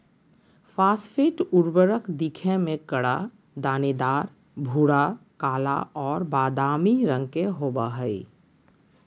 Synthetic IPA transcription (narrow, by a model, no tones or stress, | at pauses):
fʰaːspʰeːʈuɾbəɾəkd̪ikʰẽmẽkəɽa | d̪aːned̪aːɾ | bʱuːɽakaːla̰ɔːɾbaːd̪aːmiɾə̃ŋɡ̚keɦoːbaɦəi